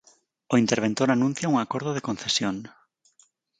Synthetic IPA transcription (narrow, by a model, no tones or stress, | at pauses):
oint̪eɾβ̞ent̪oɾanũn̟θjauŋakoɾðʊðekõn̟θesjoŋ